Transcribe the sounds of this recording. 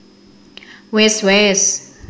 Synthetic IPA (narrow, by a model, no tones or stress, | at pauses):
wɛstwɛs